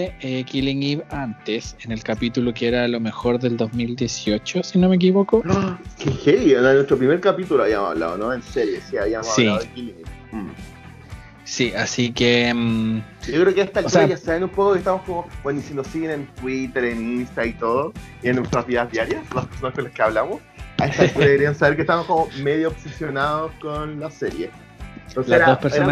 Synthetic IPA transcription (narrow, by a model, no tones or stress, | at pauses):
eekiliŋɡiβant̪esenelkapit̪ulokeeɾalo̞me̞xoɾðe̞ld̪ozmild̪je̞sio̞t͡ʃosinomek̬iβokoakexejonnwest̪ɾopɾime̞ɾkapit̪uloaβiamosa̰βla̰ðo̰noenseɾjesiaβiamosasiaoekiliŋɡip̩ | siʔasikemɟ͡ʝokɾeokeest̪alksɾaʝasalenumpokokeht̪amo̞skomo̞bwenisenosiɣene̞nt̪wit̪eɾeninst̪ait̪oðo | ienːwest̪ɾazβiðazðjaɾjaslapeɾ̥sonaskonlakeaβlamos | aeht̪atuɾakeɾiansaβeɾkeht̪amoskomo̞meðjoːpsesjo̞naðoskonlaseɾjḛ | t̪onseeɾaopeɾeɾaa